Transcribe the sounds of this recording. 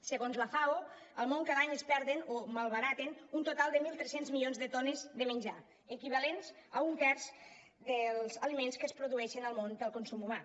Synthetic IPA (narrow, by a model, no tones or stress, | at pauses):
səɣonzlafao | əlˠmõŋkaðaɲəspɛɾðenomalˠβəɾat̪enunt̪ot̪alˠd̪əmilˠt̪ɾɛsenzmilionzðət̪onəzðəmənʲd͡ʒa̰ | əkiβ̞alenzəuŋkɛɾz | d̪əlˠzəlimenskəspɾoðuɛʃənəlˠmond̪əlˠkonsumuma